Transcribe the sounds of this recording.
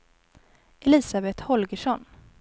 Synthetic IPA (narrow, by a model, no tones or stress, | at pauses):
ɛlɪːsabɛt̪hɔlɡəʂɔn